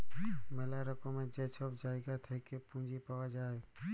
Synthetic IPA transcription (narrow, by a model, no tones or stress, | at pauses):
melaɾəkomẽd͡ʒeːt͡ʃʰobd͡ʒaːeɡat̪ʰekepũnd͡ʒipəʋad͡ʒaːe